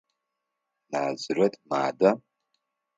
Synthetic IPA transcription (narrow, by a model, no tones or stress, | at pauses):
naːzrɐtʼmaːda